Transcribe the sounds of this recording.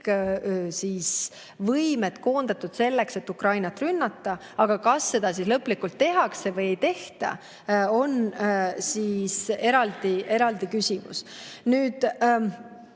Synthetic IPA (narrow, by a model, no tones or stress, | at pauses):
kːsiːs | vɤjme̞t̪ko̞ːnd̪̥ɑt̪ːˑud̪̥se̞lːe̞kse̞t̪ːukrɑjnɑt̪ːˑrynːɑt̪ˑːɑ | ɑɡ̥ɑkɑsːe̞d̪̥ɑsislɤpːlikːult̪ːe̞ɦɑkse̞vɤje̞jt̪e̞ht̪ɑ̰ | o̞nsiːse̞ɾɑld̪̥iʔe̞ɾɑld̪̥ikysʲimṵsnyːd̪̥